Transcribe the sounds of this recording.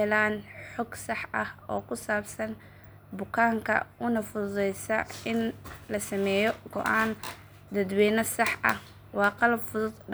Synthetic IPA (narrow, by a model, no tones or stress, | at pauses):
ɛlaːnħɔɡsɑħɐhɔːkʰʊsaːbsɐn | bʊkʰaːŋkʰɐ̰ʊnɐfʊðʊðɛjsɐɪnlɐsɐmɛːjɔɡɔ̰ʔaːn | d̪ɐd̪wɛːnɐsɑħʔɐ̰h | wɑːqɑlɐbfʊðʊd̪